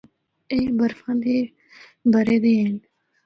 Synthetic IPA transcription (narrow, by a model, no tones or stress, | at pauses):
ebəɾfãːnd̪iː | bəɾeːd̪iːɦen